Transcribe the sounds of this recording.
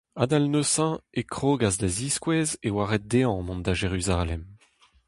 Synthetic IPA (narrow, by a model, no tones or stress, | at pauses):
ad̪alnosɑ̃ekχoɡazd̪aziskwɛːzewaːʁɛt̪̚d̪eɑ̃mɔ̃nd̪aʒeʁyzalɛm